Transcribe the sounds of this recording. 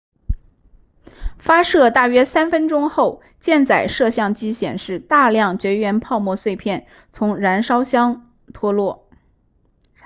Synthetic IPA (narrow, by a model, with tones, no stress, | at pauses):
fa˥ʂɤ˥˧t̪a˥˩ɥɛ˥sa˥nfə˥nʈ͡ʂʊ˥ŋxo˥˩˧ʊ | t͡ɕjɛ˥˩nt͡sa˨˩ɪʂɤ˥˧ɕjɑ˥˩ŋt͡ɕi˥ɕjɛ̰˨˩nʂɻ̩˥˧t̪a˥˧ljɑ˥˩ŋt͡ɕɥɛ˧˥ɥɛ˧˥npʰɑ˥˧ʊmwɔ˥˧swe˥˧ɪpʰjɛ˥˩n | t͡sʰʊ˧˥ŋɻa˧˥nʂɑ˥ʊɕjɑ˥ŋ | t̪ʰwɔ˥lwɔ˥˩